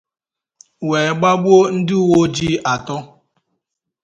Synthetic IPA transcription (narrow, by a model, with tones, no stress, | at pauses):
we˨ɡ͡ba˦ɡ͡bu˦o˦n̩˦dɪ˦u˦˨wo˦d͡ʒi˦a˨tɔ˦